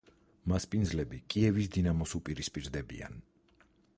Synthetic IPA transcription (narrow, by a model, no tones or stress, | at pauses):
maspʼind̪zlɛbikʼiɛvisd̪inamɔsupʼiɾispʼiɾd̪ɛbḭa̰n